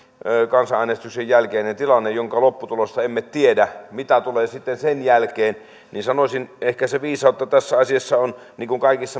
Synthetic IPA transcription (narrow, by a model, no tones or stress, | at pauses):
kɑnsɑʔæˑnest̪yksejjælkeːnent̪ilɑnːejjoŋkɑlopːut̪ulost̪ɑemːet̪t̪iedæmit̪æt̪uleːsit̪ːensenjælkeːn | ninsɑnosʲinehkæseʋiːsɑˑot̪ːɑt̪æsːæɑsiɑsːɑon | niːŋkuŋkɑˑikisːɑ